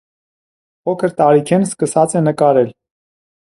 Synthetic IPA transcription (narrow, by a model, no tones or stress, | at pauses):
pʰɔkʰəɾt̪ɑɾikʰɛnskəsɑt͡sɛnəkɑɾɛl